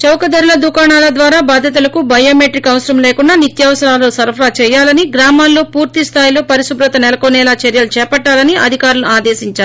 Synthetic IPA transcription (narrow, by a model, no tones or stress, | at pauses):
t͡ʃɐwkɐd̪ɐɾilɐd̪ukaːɳaːlɐd̪ʋaːɾaːbaːd̪ʱjɐt̪̬ulɐkubɐjoːmeːʈɾikɐʋsɐɾɐmleːkuɳɖaːnit̪jɐːʋɐsɐɾaːlɐosɐɾpʰɾaːt͡ʃɛːjaːlɐniɡɾaːmaːnlːo̞ːpuːɾt̪ist̪ʰaːjilo̞ːpɐɾisubɾɐt̪ɐnɛlɐkonɛːlaːt͡ʃɐɾjɐlut͡ʃɛːpɐʈːaːlɐniʔɐ̰d̪ʱikaːɾɐlnuaːd̪eːsiɲt͡ʃaːɾu